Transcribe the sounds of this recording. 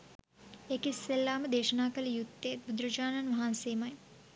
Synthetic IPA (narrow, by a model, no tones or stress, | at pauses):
ekisːelːaːmɐd̪eːʃɐnaːkɐlijut̪ːeːt̪̚bud̪ɾɐd͡ʒaːnɐnʋɐɦaːnseːmɐj